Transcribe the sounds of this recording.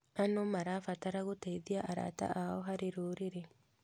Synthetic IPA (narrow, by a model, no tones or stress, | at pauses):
anomaɾaːfataɾaɣotaiðiaʔaɾa̰ta̰ʔaɔɦaɾeɾoːɾeɾe